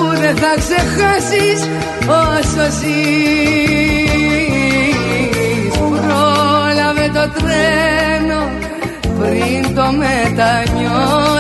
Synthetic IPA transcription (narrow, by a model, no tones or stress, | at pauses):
uðeθɐksexasis | ososi | uɾolɐvet̪o̞t̪ɾeno | pɾint̪o̞met̪ɐɲo